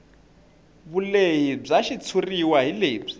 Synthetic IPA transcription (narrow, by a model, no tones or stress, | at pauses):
βuleɦib͡ʐaʃit͡sʰuriwaɦileːb͡ʐi